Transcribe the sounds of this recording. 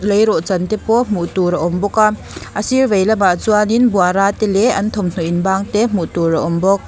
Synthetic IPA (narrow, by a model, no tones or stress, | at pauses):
lejɾɔʔt͡sɐnt̪ɛpɔm̥uʔt̪uɾɐʔɔmbɔka | ʔəsirvejlɐmaʔt͡suaninbuaɾaːt̪ɛlɛʔɐnt̪ʰɔmn̥uʔinbaːŋt̪ɛm̥uʔt̪uɾɐʔɔmbɔk̚